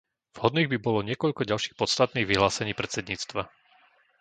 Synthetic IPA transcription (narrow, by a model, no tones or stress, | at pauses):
v̥ɦɔd̪niːɣbibɔlɔɲɪɛkɔʎkɔɟalʃiːxpɔt̪st̪at̪niːɣʋiɦlaːsɛɲiːpɾɛt̪t͡sɛd̪ɲiːt͡st̪ʋa